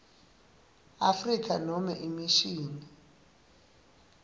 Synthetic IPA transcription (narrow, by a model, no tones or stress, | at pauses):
afrikʰanɔmɛʔimiʃiːni